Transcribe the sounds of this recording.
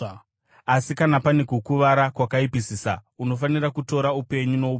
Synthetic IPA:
asikanapanekukuʋaɾakwakaipisiːsa̰uno̞fanirakuto̞ɾaupe̞ɲuno̞up

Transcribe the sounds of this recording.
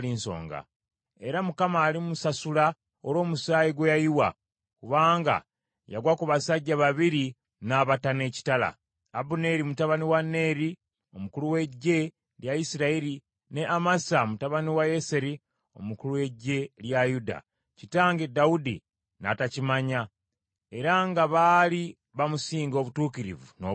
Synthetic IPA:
linso̞̰ːŋɡa̰ | e̞ɾamukamaːlimusasula | oɾo̞ːmusaːjiɡwejajiwa̰ | kuβaːŋɡa̰ | ja̰ɡwakuβasaɟːaβaβiɾi | naːβatane̞ːci̥tala̰ː | bune̞ɾimutaβaniwanːe̞ːɾi | o̞mukuluwe̞ɟːe̞ | ljaisiɾaeɾi | ne̞ʔamasamutaβaniwajese̞ɾi | o̞mukuluwe̞ɟːe̞ljajuda̰ | citaːŋɡedaudḭ | na̰tacimaɲa | e̞ɾaŋɡaβali | βamusiːŋɡo̞βutuːkiɾḭvuno

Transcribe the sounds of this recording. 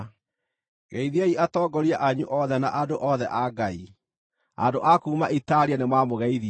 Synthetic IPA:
ɣɛiðiaiʔatɔːɡɔɾiaʔaɲṵʔɔðɛna̰ʔadoʔɔðɛʔaɡai | a̰doʔakuːmaʔitaɾianemwamoɣɛiði

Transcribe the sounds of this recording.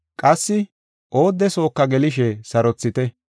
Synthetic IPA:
kʼɐsːɪ | ʔo̞ːd̪ːɛso̞ːkːɐɡɛlɪʃ̬ɛsɐɾɔt͡sːɪt̪ɛ

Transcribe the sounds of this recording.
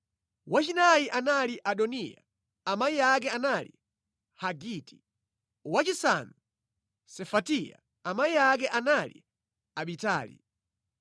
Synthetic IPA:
wat͡ʃinajiʔanaliʔaɗɔnija̰ | amaiak̬ɛanali | haɡiti̥ | wat͡ʃisanu | sɛfatija̰ | amaiak̬ɛʔanalḭ | aɓita̰ːlḭ

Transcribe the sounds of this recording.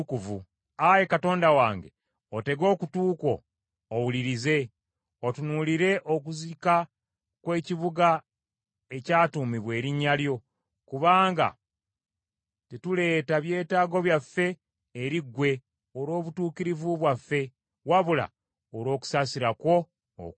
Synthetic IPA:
kuvu | aje̞kato̞ːndawaːŋɡe̞̰ | ote̞ɡo̞ːkutuːko̞ː | wuliɾize̞ | otunuːliɾe̞ʔok̬uzika | kwe̞ːciβuɡa | e̞caːtuːmiβwe̞ːɾiɲːaljo̞ | kuβaːŋɡa̰ | titule̞ːtaβje̞ːtaːɡo̞βjafːe̞ː | ɾiɡwe̞ | oɾo̞ːβutuːkiɾivuβwafːe̞ | waβula̰ | oɾo̞ːku̥saːsiɾakwo̞ | o̰k

